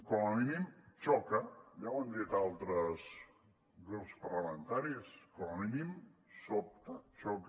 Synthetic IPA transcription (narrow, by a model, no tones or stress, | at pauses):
kɔninimt͡ʃɔkəjawand̪it̪alˠt̪ɾəs | ɡɾupspərləment̪aɾiskoninimsop̚t̪ət͡ʃɔk